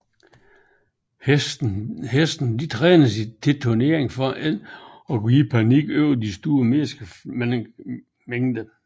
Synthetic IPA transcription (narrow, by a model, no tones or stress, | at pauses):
hesd̥n̩d̥it͡sʰʁɛːnəsid̥ʰe̝t͡sʰo̝ne̝ɐ̰eŋfɒ̽ʔæl̰ | ɒ̽kʰuiːpʰɑniɡ̥øʊd̥isd̥uːɐme̝sɡ̥əm | meŋd̥ə